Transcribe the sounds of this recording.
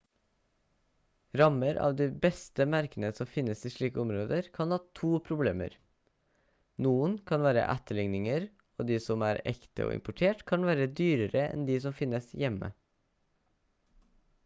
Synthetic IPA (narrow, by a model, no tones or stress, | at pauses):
ɾɑməɾʔɑ̰ːʋd̪iːbɛst̪əmæɾkənəsɔmfɪnəsiːʂɭiːkəʊmɾoːd̪əɾkʰɑnhɑːt̪ʰuːpʰɾʊblḛːmə̰ɾ | nuːənkʰɑnʋæːɾə̰ʔæt̪əɭɪŋnɪŋəɾ | o̰ːd̪iːsɔmæːɾɛ̰kt̪ə̰ʔo̰ːʔɪ̰mpʊʈʰeːʈkʰɑnʋæːɾəd̪yːɾəɾəɛ̰nd̪iːsɔmfɪnəsjɛmə̰